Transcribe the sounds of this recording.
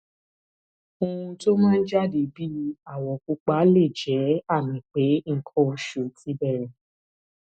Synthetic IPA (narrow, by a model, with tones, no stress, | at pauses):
õ˧ũ˧to˦mãː˦n̩˦d͡ʒa˦˨de˨˦bi˦a˦˨wɔ˨ku˧k͡pa˨˦le˦˨d͡ʒɛ˨˦a˦˨mĩ˨˦k͡pe˨˦ŋ̩˦kʰɔ˦˧ʃo˨ti˨˦bɛ˦˨ɾɛ˨